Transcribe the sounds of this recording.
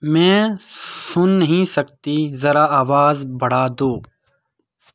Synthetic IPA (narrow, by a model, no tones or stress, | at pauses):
mɛ̃ːsʊnːɐɦĩsɐkt̪izɐɾaaːʋaːzbɐɽ̤aːd̪oː